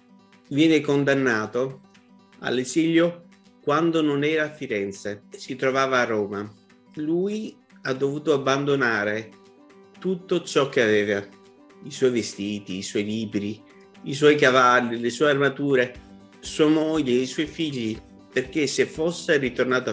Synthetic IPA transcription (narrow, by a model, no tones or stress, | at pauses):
vjɛːnekond̪anːaːt̪o | a̰lːeziʎjo | kwand̪ononɛːɾaːfːiɾɛnt̪sesit̪ɾovaːvaːrːɔːma | lui | ad̪ːovuːt̪oabːand̪onaːɾe | t̪ut̪ːot͡ʃɔk̟ːeavɛːva | iswɔjvest̪iːt̪iːswɔjliːbɾi | iswɔjk̬avalːilesuːearmat̪uːɾe | suːamɔʎːeiswɔjfiʎːi | perk̟esefːosːerit̪ornaːt̪a